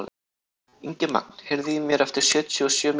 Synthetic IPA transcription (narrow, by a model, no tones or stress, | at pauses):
l | iɲcɪma̰k̚n̥hɛɾðimjɛɾɛft̪ɪɾ̥sjœːt̪ʰyɔsjœːm